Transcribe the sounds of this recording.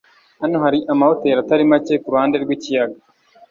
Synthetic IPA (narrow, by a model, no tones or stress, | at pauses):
hanoɦaɾiʔamahoteɾataɾimacekuɾuhaːndeɾɡwicijaɡa